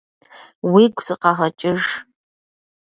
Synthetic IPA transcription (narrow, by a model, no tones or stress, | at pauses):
wiɡʷz̥ɨqɑʁɐt͡ʃʼɪʒ